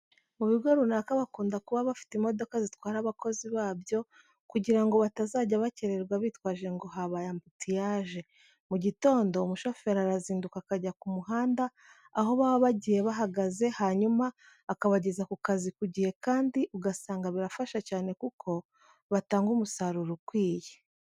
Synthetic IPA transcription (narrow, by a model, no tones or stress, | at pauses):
muβiɡwoɾunakaβakuːndakuβaβafi̥timo̞do̞kazitwaːɾaβakʰo̞ziβaːβjo̞ | kuɟiɾaŋɡo̞βatazaːɟaβace̞ɾe̞ɾɡwaβiːtkwaːʒe̞ŋɡo̞ɦaβajambutʰijaːʒe̞ | muɟito̞ːndo̞umuʃo̞fe̞ɾaɾaziːndukakaɟakumuɦaːndaː | ɦo̞βaːβoβaɟije̞βaɦaɡaze̞haɲumaː | kaβaɟe̞zakukazikuɟije̞kaːndiʔuɡasaːŋɡaβiɾafaʃacaːne̞kukʰo̞ | βataːŋɡumusaɾuɾukwiːje